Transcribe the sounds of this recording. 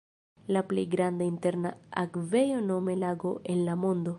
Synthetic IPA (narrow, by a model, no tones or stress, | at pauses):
laplḛjɡɾand̪aint̪eɾnaakvejono̞me̞laɡoʔenlamond̪o